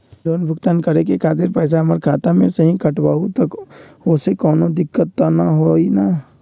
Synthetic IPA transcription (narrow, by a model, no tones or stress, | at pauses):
loːnbʱʊkt̪ankəɾekekʰaːt̪ɪɾpɛːs̬aɦɐməɾkʰaːt̪amẽsəɦĩkʰəʈbaːɦut̪ək | osekɔːnod̪ɪkːət̪ːanaɦoina